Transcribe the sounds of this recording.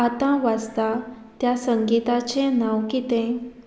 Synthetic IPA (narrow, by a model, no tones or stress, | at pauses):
at̪ãʋad͡zt̪a | t̪jasəŋɡit̪at͡ɕẽnawkit̪ɛ̃